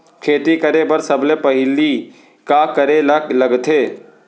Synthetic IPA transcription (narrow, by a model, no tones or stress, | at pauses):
kʰeːt̪ikəɾebəɾsəblepəɦɪli | kakəɾeləɡt̪ʰeː